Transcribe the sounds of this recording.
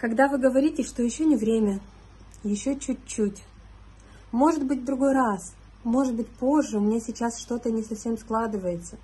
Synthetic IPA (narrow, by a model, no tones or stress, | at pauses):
kɐɡd̪avɨɡəvɐɾʲitʲɪʂt̪ojɪɕːo̞nʲɪvɾʲemʲə | jɪɕːot͡ɕut̚ʲt͡ɕːutʲ | mo̞ʐɨt̪̚bɨt̚ʲd̪ɾʊɡo̞jɾas | mo̞ʐɨt̪̚bɨtʲpo̞ʐːɨʊmnʲesʲɪt͡ɕːasʂt̪o̞t̪ənʲɪsɐfsʲe̞msklˠad̪ɨvəjɪt̪sə